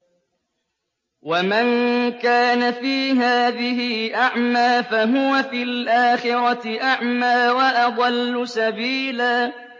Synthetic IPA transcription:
wamankaːnafiːɦaːðɪhɪʔaʕmaːfaɦʊwafiːlʔaːxɪɾɑʔaʕmaːwaʔɑd̪ˤɑlːʊsabiːlaː

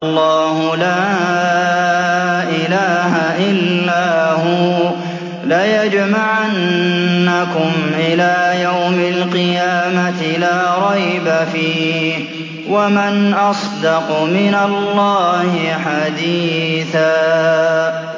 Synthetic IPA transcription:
lˤːɑːhʊla | ʔɪlaːɦaʔɪlːaːhʊː | lajad͡ʒmaʕanː | akʊmʔɪlaːjawmalqɨjaːmat̪ɪlaːɾˤɑjbafiː | wamanʔɑsˤd̪ɑqmɪnalːɑːhɪħad̪iːθaː

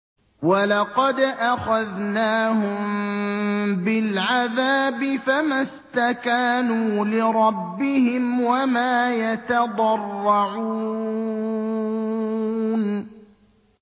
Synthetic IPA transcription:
walɑqɑd̪ʔaxaðnaːɦʊm | bɪlʕaðaːbɪfamast̪akaːnuːlɪɾˤɑbːɪhɪmwamaːjat̪ɑd̪ˤɑrˤːɑʕuː | n

